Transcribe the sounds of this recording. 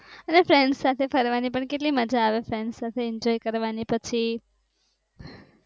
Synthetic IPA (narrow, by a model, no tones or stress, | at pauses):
ənefɾɛɳɖsat̪ʰefʰəɾʋanipəɳkeʈ̬liməd͡ʒaːʋefɾɛɳɖsat̪ʰeɪɲd͡ʒɔjkəɾʋanipət͡ʃʰi